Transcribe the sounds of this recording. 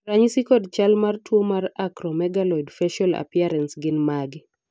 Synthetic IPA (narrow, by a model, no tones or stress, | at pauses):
raɲisikɔdt͡ʃalmartwomarakɾɔmɛɡalɔjdfɛʃɔla̰pjaɾɛnsɡɪnmaɡi